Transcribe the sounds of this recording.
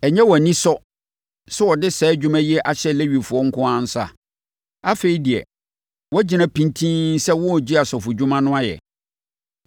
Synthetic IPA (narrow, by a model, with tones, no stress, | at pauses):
ɛ˨ɲɛ̃˦wɔ˨æ˨nĩ˦sɔ˦ | sɛ˦wɔ˨dɪ˦sɛː˨˦d͡ʑᶣu˦mã˦ji˦ɛ˦ʔa˨ɕɛ˦le˦ɥi˨fʊ˨ɔ˦ŋ̩˦kʰʊ̃˦ã˦n̩˦sa̰˦˨ | a˦fe˨ɾi˨di˨ɛ̰˨ | wɔ˦d͡ʑɪ˨nã˦pʰĩ˦ntʰĩ˦n˦sɛ˦wʊ̃˦˨d͡ʑi˦a˨sɔ˨fʊ˨d͡ʑᶣũ˦mã˦nʊ̃˦a˦jɛ̰˨